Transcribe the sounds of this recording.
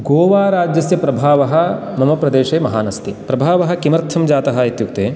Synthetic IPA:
ɡoːʋaːɾaːd͡ʒjɐsjɐpɾɐbʱaːʋɐɦɐ̆ | mɐmɐpɾɐd̪eːʃeːmɐɦaːnɐst̪ipɾɐbʱaːʋɐɦɐ̆kimɐɾt̪ʰːɐmd͡ʒaːt̪ɐɦɐit̪juk̚t̪eː

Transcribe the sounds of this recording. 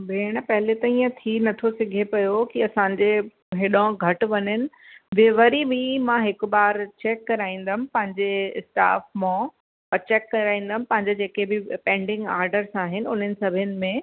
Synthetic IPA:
beːɽ̃̆pɐɦɪlet̪ɐĩːə̃t̪ʰinɐt̪ʰosɪɡʱepɐjokiɐsãːɲd͡ʑe | ɦɪɗãɡʱɐʈʋɐɲənɪ̆ | ʋeʋəɾiʋimãɦɪkʊbaːɾt͡ɕɛːkːɐɾaːĩːn̆d̪əmɪ̃̆pɐ̃ɦɪ̃ɲd͡ʑeɪsʈa̰ːfmõ | ɐt͡ɕeːkːɐɾaːĩːn̆d̪əmɪ̃̆pɐ̃ɦɪ̃ɲd͡ʑed͡ʑeːkebɪpɛ̃ːɳɖɪ̃ŋɡaːɾɖəɾsãːɦɪnɪ̆ʊn̤ənɪ̆sɐbʱɪənɪ̆mẽ

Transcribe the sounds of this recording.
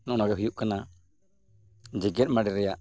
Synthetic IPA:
nɔʔnaɡɛɦujuʔkana | d͡ʒiɡɛt̪̚maɽiɾɛjaʔ

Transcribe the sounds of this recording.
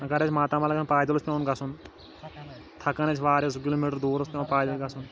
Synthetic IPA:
ɐɡɐɾet͡ʃʰmaːt̪aːmaːlɐɡnpaːd̪ɐlospʲjẽːnɡɐsun | t̪ʰɐkɐnet͡ʃʰʋaːɾos̬kiloːmiʈəɾd̪oːɾɐspʲẽːnpaːd̪ɐlɡɐsun

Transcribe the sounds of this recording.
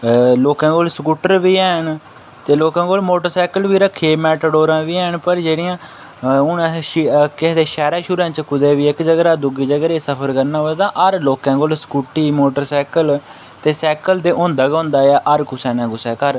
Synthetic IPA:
loːkãːkoːlskuːʈəɾʋiːɛːɳ | t̪eːloːkãːkoːlmoːʈəɾsɛːkəlʋiːɾəkʰːeːmɛːʈəɖoːɾãːʋiːɛːɳpəɾd͡ʒeːɽiːãː | ʊnãked̪eːʃɛːɾaːʃuːɾãːt͡ʃkʊd̪eːʋiːɪkd͡ʒəɡɾaːd̪ʊɡiːd͡ʒəɡɾeːsəpʰəɾkəɾnaːoːt̪ãːʔəɾloːkãːkoːlskuːʈiːmoːʈəɾsɛːkəl | t̪eːsɛːkəld̪eːʔʊ̃ːnd̪aːɡ̃ːʊnd̪aːɛːʔəɾkʊsɛːnãːkʊsɛːkəɾ

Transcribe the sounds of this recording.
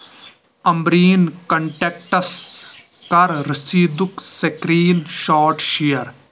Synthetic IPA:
ɐmbɾiːnkɐɳʈek̚ʈɐs | kɐɾɾɪsiːd̪uksekɾiːnʃaːɾʈʃijɐɾ

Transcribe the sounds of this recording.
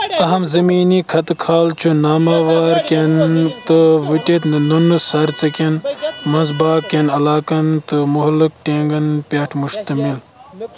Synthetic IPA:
ɐɦɐmzɐmiːnikʰɐt̪ɨkʰaːlt͡ʃʰunaːmaʋaːɾkʲent̪ɨʋiʈet̪nɨnunɨsɐɾt͡sɐkʲenmɐzbaːkːenɐlaːkɐnt̪ɨmuɦlɨk̚ʈeːŋɡɐnpʲɐʈʰmuʃt̪ɐmil

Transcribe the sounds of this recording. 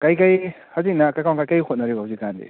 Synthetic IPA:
kajkaj | hazik̚nakajkawnkajkajhʰot̚naɾibazikand̪ḛ

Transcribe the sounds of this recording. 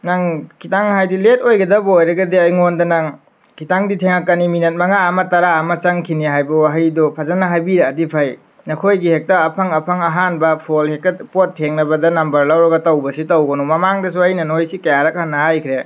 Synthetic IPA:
naŋkʰitaŋɦajdilet̚ojɡɐdɐbɐojɾɐɡɐdiɐjŋondɐnaŋ | kʰitaŋditʰeŋakːɐniminɐt̚mɐŋaɐmɐtɐɾaɐmɐt͡ʃɐŋkʰiniɦajbɐwaɦɐjdɔpʰɐzɐnɐɦajbiɾeɐdipʰaj | nɐkʰojɡihek̚tɐːpʰɐŋɐpʰɐŋɐɦanbɐpʰolhek̚tɐpotʰːeŋnɐbɐdɐnɐmbɐɾlawɾɐɡɐtɐwbɐsitɐwɡɐnumɐmaŋdɐs̬uajnɐnojsikɐjaɾɐk̚hanːɐɦajkʰɾe

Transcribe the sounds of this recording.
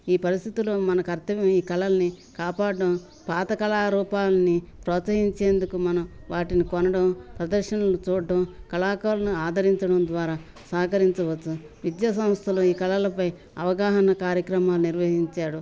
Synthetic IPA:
iːpɐɾist̪ʰit̪uloːmɐnɐkɐɾt̪ɐʋjɐmiːkɐlɐlɐni | kaːpaːɽɐɐm | paːt̪ɐkɐlaːɾuːpaːlɐnipɾɔːt̪sɐɦiɲt͡ʃe̞ːnd̪ukumɐnɐmʋaːʈinikɔnɐɽɐmpɾɐd̪ɐɾʃɐnɐlut͡ʃuːɽːɐmkɐlaːkaːlɐnuaːd̪ʱɐɾiɲt͡ʃɐɽɐmd̪ʋaːɾaː | sɐːɐkɐɾiɲt͡ʃɐʋɐtːu | ʋid̪jaːs̬ɐm̃st̪ʰɐloːiːkɐlɐlɐpɐj | ɐʋɐɡaːɦɐnɐkaːɾjɐkɾɐmaːluniɾʋɐɦiɲt͡ʃaːɽu

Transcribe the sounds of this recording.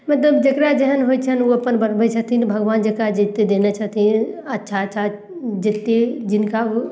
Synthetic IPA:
mɐt̪̬ləbd͡ʒəkɾad͡ʒəɦənɦoit͡ʃʰənoɐpənbəɾbət͡ʃʰɐɦt̪it̪bʱəɡʋaːnd͡ʒɐkɾad͡ʒɪt̪ːed̪eːnat͡ʃaɦt̪ʰĩɐtːʃʰatːʃʰa | d͡ʒɪt̪ːed͡ʒɪnka

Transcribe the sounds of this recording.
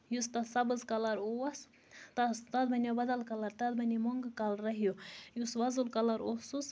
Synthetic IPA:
just̪ɐsɐbɨzkɐlaɾowɐs | t̪ɐst̪ɐd̪bɐnʲabɐd̪ɐlkɐlaɾt̪ɐd̪bɐnʲimoŋɡkalɾɐɦijojusʋɐzulkɐlaɾosus

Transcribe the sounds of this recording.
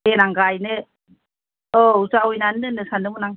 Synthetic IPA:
enaŋɡajnɯ | ɔusaujnanːɯnɯsanɯmɯnaŋ

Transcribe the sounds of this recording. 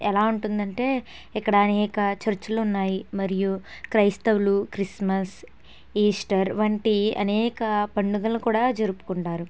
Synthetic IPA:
ɛlaːuɳʈund̪ɐɳʈe̞ː | ikːɐɽɐːnɛːkɐt͡ʃɐɾt͡ʃɐlunːaːjimɐɾijukɾɐjst̪ɐʋlukɾismɐs | iːsʈɐɾʋɐɳʈiɐ̰nɛːkɐpɐɳɖuɡɐlnukuːɽaːd͡ʒɐɾupu̥kuɳʈaːɾu

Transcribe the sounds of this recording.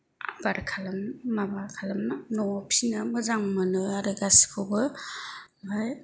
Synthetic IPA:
a̰baɾkʰalɐmmabaɾkʰalɐmnanɔpʰinamɯzaŋmɯnɯaɾɯɡasi̥kʰɯwbɯ | maj

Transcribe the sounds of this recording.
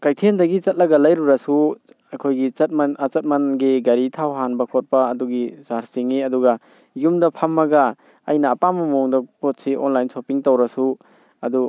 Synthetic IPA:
kajtʰendɐɡit͡ʃɐt̚lɐɡɐlajɾuɾɐsu | akʰojɡit͡ʃɐt̚mat͡ʃɐt̚mɐnɡiɡɐɾitʰawɦanbɐkʰot̚pɐːduɡizaɾsiŋiɐduɡɐ | jumdɐpʰamːɐɡa | ɐjnɐːpamɐmuŋdɐpot̚siʔo̰nlajnsopiŋtawɾɐsu | ɐdu

